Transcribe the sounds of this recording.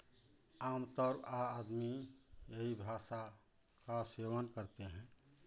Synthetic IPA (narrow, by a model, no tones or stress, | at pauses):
aːmt̪əɾpaːd̪mijeɦibʱaʃa | kasewənkəɾt̪eɦɛ̃